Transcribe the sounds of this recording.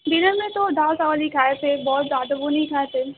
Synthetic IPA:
d̪ɪnəɾmẽt̪od̪aːlsaːʋəlikʰaːet̪ʰebɔːt̪zjaːd̪aʋonɐɦĩkʰaːet̪ʰe

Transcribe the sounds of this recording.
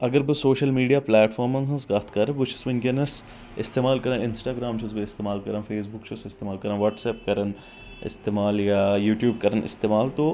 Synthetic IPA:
ɐɡəɾbəsoːʃəlmiːɖijaːplɛːʈfʰɔːɾmə̃ns̬ɐ̃sɡɐːt̪kɐɾɐ̃bʊt͡ʃʰu̥sbɐnkenɐs | ɪst̪eːmaːlkɐɾãɪnsʈaːɡɾaːmt͡ʃʰusbeɪst̪eːmaːlkɐɾãːfʰeːsbʊkt͡ʃʰosɪst̪eːmaːlkɐɾãʋɔːʈsɛːpkɐɾən | ɪ̰st̪eːmaːljajuːʈjuːb̚kɐɾənʔɪ̰st̪eːmaːlt̪o

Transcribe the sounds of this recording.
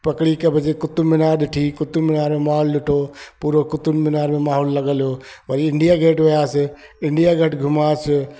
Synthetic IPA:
pɐkɽikebʱəd͡ʒekʊt̪ːummɪnaːɾd̪iʈʰikʊt̪ːumːɪnaːɾmemaːɦolːɪʈʰopuɾokʊt̪unminaːɾmẽmaːɦolːəɡəljo | pəɾɪɳɖijaɡʱeːʈʋejase | ɪɳɖijaɡʱəʈɡʱʊmaːt͡ʃ

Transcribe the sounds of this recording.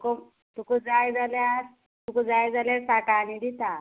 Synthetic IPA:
ko | t̪ukud͡zajd͡zaljaɾ | t̪ukud͡zajd͡zaljaɾsakanid̪it̪a

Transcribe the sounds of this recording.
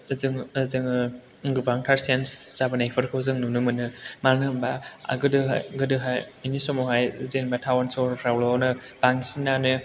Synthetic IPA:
zɯŋzɯŋ | ɡɯbaŋtʰaɾsenszabɯnajpʰɯɾkʰɯwzɯŋnunɯmɯnɯmanɯbaa̰ɡɯdɯaɡɯdɯɦajinisɔmɔɦajzenbatʰawansɔɾʰɾawlɔwnɯb̥aŋsinːanɯ

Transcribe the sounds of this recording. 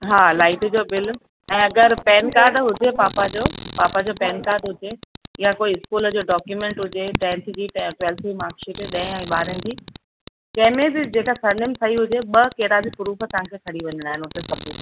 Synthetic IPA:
ɦaːlaːɪʈd͡ʑoːbɪl | ɛ̃ːɐɡəɾpɛːnkaːɾɖɦʊd͡ʑepaːpad͡ʑoːpaːpad͡ʑoːpɛːnkaːɾɖɦʊd͡ʑeɪjakoːiɪskuːləd͡ʑoːɖɔːkjumẽːɳʈɦʊd͡ʑeʈɛ̃ːnt̪d͡ʑiːʈwɛːlt̪ʰimaːɾkʃeːʈeɗɐ̃ɪ̃ɛ̃ːɓaːɾənɪ̆d͡ʑiː | kɐ̃ɦɪ̃mẽbid͡ʑeːkasɐɾnɪmsʰɐɦiɦʊd͡ʑeɓɐkeːɾabipʊɾuːfə̆t̪ɐʋ̤ãkʰeːkʰɐɽiʋɐ̃ɲə̃ɽ̃aːɦɪnɦʊt̪esɐbʱuː

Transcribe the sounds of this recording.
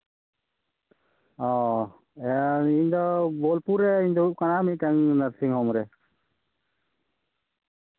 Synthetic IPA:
ɔ̃ | ɛiɲd̪ɔbɔlpuɾɛiɲd̪ɔuʔ̚kanamit̪̚ʈaŋnəɾsiŋɦɔmɾɛ

